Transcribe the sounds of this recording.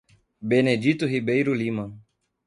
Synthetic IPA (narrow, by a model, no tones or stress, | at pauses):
bened͡ʒit̪uɦibejɾulimɐ̃